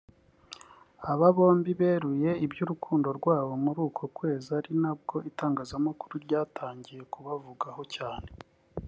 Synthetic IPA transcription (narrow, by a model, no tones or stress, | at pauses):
aβaβo̞ːmbiβe̞ɾuje̞ibjuɾukʰuːndo̞ɾɡwaːβo̞muɾuːkʰo̞kwe̞ːzaɾinab̚ɡo̞ʔitaːŋɡaːzamakuɾuɾɟaːtʰaːɲɟije̞kuβavuɡaho̞caːne̞